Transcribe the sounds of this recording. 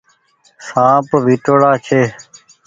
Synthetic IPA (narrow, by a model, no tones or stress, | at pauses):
sãːpʋʱiːʈoːɽaːt͡ʃʰeː